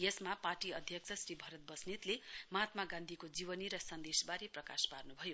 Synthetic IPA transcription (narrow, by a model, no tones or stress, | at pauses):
jesmaparʈiʌd̪ʱjʌk̚t͡sʰʌsribʱʌɾʌt̪̚bʌsnit̪lemʌɦat̪maɡãnd̪ʱikod͡ziβʌniɾʌsʌnd̪esbaɾeprʌka̰sparnubʱʌjo